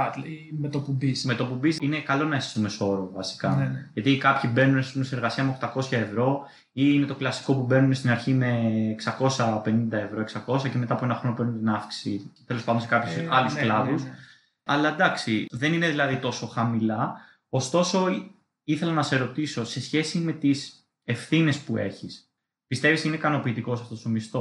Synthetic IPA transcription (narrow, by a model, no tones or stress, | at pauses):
met̪opubisme̞t̪o̞pumbisinekɐlo̞nɐesi̥someso̞ɾovɐsi̥kɐʝɐt̪ikɐpçibe̞nunesspumesineɾɣɐsiɐmeoxt̪ɐko̞sçɐe̞vɾo̞ | iine̞t̪o̞klɐsi̥ko̞pube̞nunest̪inɐɾçime̞ːksɐko̞sɐpe̞nind̪ɐe̞vɾo̞e̞ksɐko̞sɐce̞me̞t̪ɐpoe̞nɐxɾo̞nope̞ɾnunt̪inɐfksi̥sit̪e̞lospɐnd̪onskɐpçosɐlusklɐðus | ɐlɐed̪ɐksiðe̞nine̞ðilɐðit̪o̞so̞xɐmilɐ | ost̪o̞so | iθe̞lɐnɐse̞ɾo̞t̪iso̞se̞sçe̞sime̞t̪is | e̞fθine̞spue̞̰çis | pist̪e̞visineikɐno̞piːt̪iko̞sɐft̪o̞st̪o̞mist̪o̞